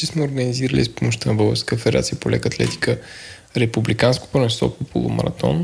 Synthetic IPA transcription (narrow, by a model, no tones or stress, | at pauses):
ismɛoɾɡəniziɾəlḭspomoʃt̪ənɐbɤlˠɣəɾskəfɛd̪ɛɾa̰t̪sijəpolʔɛkəːt̪lɛ̰t̪i̥kə | ɾɛpublikansko̥pɾonɛsɔ̰popʰolˠʊ̰mɐ̰ɾɐt̪ɔ̰n